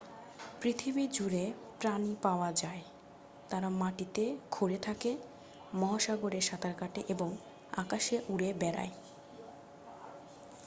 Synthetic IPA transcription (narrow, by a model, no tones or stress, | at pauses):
pɾit̪ʰibid͡ʑuɾepɾanipaoad͡ʑae | t̪aɾamaʈit̪eɡʰʱoɾet̪ʰake | mɔɦaʃaɡoɾeɾʃat̪ʰaɾkaʈeʔeboŋ | a̰kaʃeʔuɽebɛɾa̰e